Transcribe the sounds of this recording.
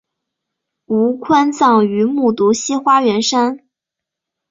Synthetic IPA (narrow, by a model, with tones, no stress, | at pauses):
u˧˥kʰwa˥nt͡sɑ˥˩ŋy˧˥mu˥˩t̪u˧˥ɕi˥xwa˥ɥɛ˧˥nʂa˥n